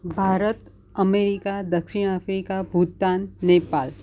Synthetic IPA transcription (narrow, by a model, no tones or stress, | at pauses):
bʱaːɾət̪ | əmeɾikad̪əkʃiɽ̃afɾikabʱut̪ːaːnːeːpaːl